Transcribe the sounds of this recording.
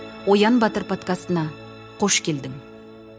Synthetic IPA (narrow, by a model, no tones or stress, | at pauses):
wo̞jɑnbɑt̪əɾpʰo̞t̪kast̪ənɑ | qʰo̞ʃkʲe̞ld̪ɪm